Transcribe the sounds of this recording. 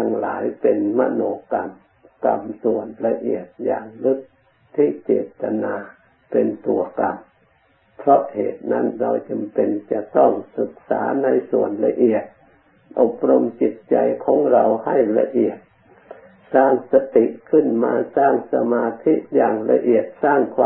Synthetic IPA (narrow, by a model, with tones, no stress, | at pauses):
t̪ʰa˧ŋlaː˨˦jpe˨nma̰˧˨noː˧ka˨˧m | ka˧msu˨ənla˧ʔi˨˩ət̪̚jaː˧˩ŋlɯ˧˥˩k̚ | t̪ʰiː˧˩t͡ɕeː˨˩t̪ːa˧naː˧ | pe˨˧nt̪u˨˧˩əka˧m | pʰɾɔ˧ʔhḛː˨t̪̚na˧˥˨nɾa˧wt͡ɕa˨mpe˨nt͡ɕa˨˧t̪ɔː˥˩ŋsɯ˧˦k̚saː˨˦na˧jsṵ˨˩ənla̰˧ʔi˨˩ət̪̚ | ʔo˨˩p̚ɾo˧mt͡ɕi˧˦t̪̚t͡ɕa˧jkʰɔː˨˦ŋɾa˧wha˥˩jla̰˧ʔi˨˩ət̪̚ | saː˧˥˩ŋsa˧t̪i˧˨ʔkʰɯ˧˥˨nmaː˧saː˧˩ŋsa˧maː˧t̪ʰi˧˥ʔjaː˨˩ŋla˧ʔi˨˩ət̪̚saː˧˩ŋkʰwaː˧